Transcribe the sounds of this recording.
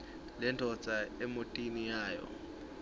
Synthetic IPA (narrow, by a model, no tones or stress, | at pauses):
lɛntʰʼɔ̥t͡sʼaɛmotʼinijaːjɔ̰